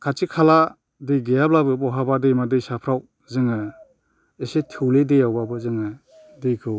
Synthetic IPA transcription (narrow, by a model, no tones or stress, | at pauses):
kʰat͡ʃikʰala | dejɡejablabɯbɔɦabadejmadɯjsapʰɾaw | zɯŋa | esetʰɯwledejawbabɯzɯŋa | dejkʰɯw